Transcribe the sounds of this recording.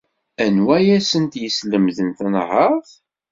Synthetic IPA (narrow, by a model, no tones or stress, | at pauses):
ænwæjæsənt̪jəsləmðənθənʁəθ